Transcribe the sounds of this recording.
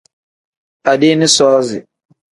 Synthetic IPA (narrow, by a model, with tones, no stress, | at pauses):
a˨de˦nɪ˦sɔː˦zɪ̰˨